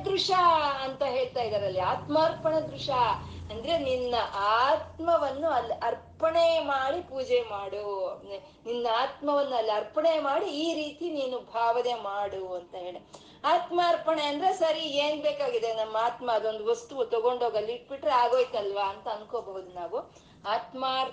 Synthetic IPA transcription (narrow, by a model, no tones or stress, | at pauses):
d̪ɾuʂaɐnt̪ɐɦe̞ːɭt̪aːjid̪ɐɾɐlːiaːt̪maːɾpɐɳɐd̪ɾuʂaɐnd̪ɐɾe̞ninːɐʔaːt̪mɐʋɐnːuɐlːiʔɐɾpɐɳemaːɽipuːd͡ʒemaːɽue | ninːɐaːt̪mɐʋɐnːuɐlːiɐɾpɐɳejmaːɽiiːɾiːt̪iniːnubʱaːʋɐd̪eːmaːɽuɐnt̪ɐɦe̞ːɭi | aːt̪maːɾpɐɳe̞ɐnd̪ɐɾe̞sɐɾieːnbeːkaːɡid̪enɐmːɐaːt̪mɐːd̪o̞nd̪uʋɐst̪uʋut̪ɔɡo̞ɳɖoːɡɐlːiiʈ̚biʈɾeaːɡo̞ːjit̪ɐlʋaɐnt̪ɐːnkoːbɐʋud̪unaːʋu | aːt̪maɾ